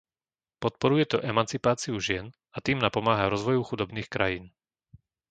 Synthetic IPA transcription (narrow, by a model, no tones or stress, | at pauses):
pɔt̪̚pɔɾujɛt̪ɔʔɛmant͡sipaːt͡siuʒɪɛn | at̪iːmnapɔmaːɦaɾɔzʋɔjuxud̪ɔbniːxkɾajiːn